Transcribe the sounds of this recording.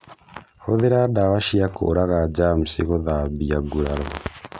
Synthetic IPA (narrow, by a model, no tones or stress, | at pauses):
hoðeɾadawaʃiako̰ɾaɣad͡ʒam̩siɣoðabiaɡuɾaɾɔ